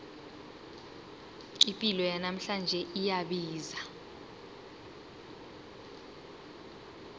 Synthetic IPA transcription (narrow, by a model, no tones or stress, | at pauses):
ipʼilɔjanam̩ɬand͡ʒʱɛʔijaɓiːza